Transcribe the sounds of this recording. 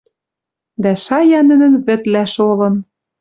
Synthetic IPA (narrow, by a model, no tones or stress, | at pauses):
d̪æʃɑjɑnɘ̆nɘ̆nβɘ̆t̪læʃolɤ̆n